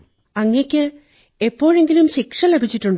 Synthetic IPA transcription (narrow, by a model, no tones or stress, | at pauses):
ɐŋːejkʲːɨ | epːo̞ːɻe̞ŋɡilumɕikʂɐle̞bʱit͡ɕːiʈːuɳɖ